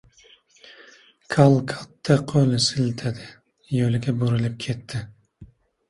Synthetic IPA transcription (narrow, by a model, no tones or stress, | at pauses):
kʰalˠkʰat̪ʰːaqʰolɪsɪlt̪ʰad̪ɪ | jolɪɡʲaboɾɪlɪp̚kʲʰe̞t̪ʰːɪ